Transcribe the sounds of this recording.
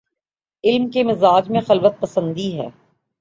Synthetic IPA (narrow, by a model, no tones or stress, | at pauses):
ɪlmkemɪzaːd͡ʒmẽxɐlʋət̪̚pɐsə̃nd̪iɦɛ̰ː